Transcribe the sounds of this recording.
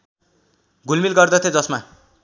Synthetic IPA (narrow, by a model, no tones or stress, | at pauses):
ɡʱulmilɡʌrd̪ʌt̪ʰjod͡zʌsma